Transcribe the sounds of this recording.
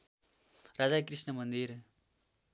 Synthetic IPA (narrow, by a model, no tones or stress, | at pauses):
rad͡zakrisnʌmʌnd̪ir